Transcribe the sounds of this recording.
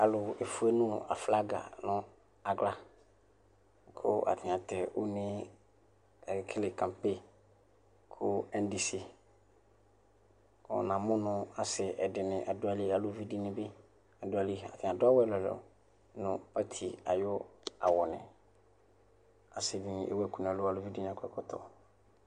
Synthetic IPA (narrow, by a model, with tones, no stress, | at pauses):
a˨lʊ˨e˨fu˦e˦nʊ̃˦a̰˨fla˦ɡa̰˨nʊ̃˦ | a˨ɡla˦ | kʰʊ˦ʔa̰˨tʰɪ̃˨a˨tɛ˨ʔʊ˦nɪ̃˦˨˦ | kʰɪ˦lɪ˨kʰã˨mpe˦˨ | kʰʊ˦ɛ˦ndi˦si˦ | kʊ̰˨nã˨mʊ̃˦nʊ̃˨a˨sɪ˨ʔɛ˨dɪ˨nɪ̃˨ʔa˨dʊ˦a˦˨li˦a˨lʊ˦vi˦di˦nɪ̃˨bɪ˦ | a˨dʊ˦a˨li˦˨a̰˨tʰɪ̃˨a˨dʊ˦a˦wɛ˦˨lɔ˨lɔ̰˨ | nʊ̃˨pa˦tʰi˨a̰˨jɔ˦a̰˨wɔ˨nɪ̰̃˨ | a˨sɪ˨vi˨nɪ̃˨ʔḛ˦wɛ˦ku˨n˨a˨lʊ˦a˨lʊ˦vi˦di˦n˨ã˨˦kʰɛ˨kɔ˦tʰɔ̰˦˨